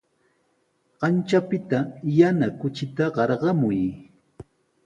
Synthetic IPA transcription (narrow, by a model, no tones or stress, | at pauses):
ɢ̥ɑnt͡ʃapɪt̪ajanakʊt͡ʃɪt̪aɢɑɾɢɑmʊj